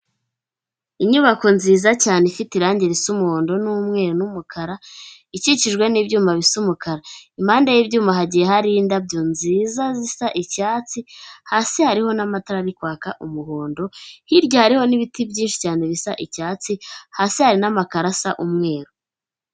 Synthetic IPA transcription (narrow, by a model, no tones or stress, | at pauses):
iɲuβako̞nziːzacaːnefitiɾaːɲɟeɾisumuhoːndo̞numŋe̞ɾonumukʰaɾa | iciciʒɡwe̞nibɟuːmaβisumukaɾaimaːndajibɟuːmaɦaɟijeɦaɾiindabɟonziːzazisaʔicaːt͡sihaːsehaɾiho̞namataɾaɾikwaːkaʔumuhoːndo̞hiɾɟohaɾiho̞niβitibɟiːnʃi̥caːne̞βisaʔicaːt͡sihasehaɾinamakaɾasaʔumŋe̞ːɾo